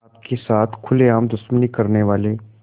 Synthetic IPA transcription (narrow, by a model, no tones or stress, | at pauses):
pkesaːt̪ʰkʰʊleaːmd̪ʊsmənikɐɾneʋaːleː